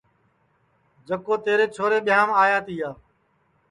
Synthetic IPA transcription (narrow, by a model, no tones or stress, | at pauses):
d͡ʒəkoːt̪eːɾeːt͡ʃʰoːɾeːɓɪjaːmaːjãːt̪iːaː